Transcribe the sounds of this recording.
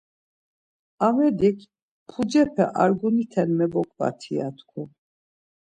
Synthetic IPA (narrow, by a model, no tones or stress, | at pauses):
amɛd̪ikʰ | pʰud͡ʒɛpʰɛʔaɾɡunit̪ʰɛnmɛbɔkʼva̰t̪ʰiat̪ʰkʰu